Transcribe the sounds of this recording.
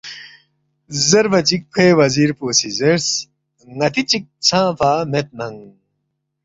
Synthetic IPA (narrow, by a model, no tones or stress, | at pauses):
zɐɾfɐt͡ɕik̚pʰeːwɐziːɾpoːsizeɾs | ŋɐt̪it͡ɕik̚t͡sʰãːpaːmet̪̚nɐŋ